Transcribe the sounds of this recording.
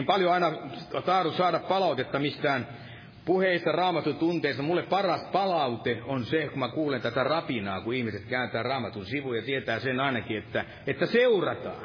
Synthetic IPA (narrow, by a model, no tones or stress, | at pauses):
mpɑljoɑinɑt̪ɑːrusɑːɾɑppɑlɑut̪et̪ːɑmist̪æːn | puheist̪ɑrɑːmɑt̪ːut̪unt̪eist̪ːɑmulːeppɑrɑspɑlɑut̪eonsekumækuːlent̪æt̪ærɑpinɑːkuihmiset̪kæynt̪æːrɑːmɑt̪unsiʋujɑt̪iet̪æːsenɑinɑkiet̪ːæ | et̪ːæseurɑt̪ɑ̰ː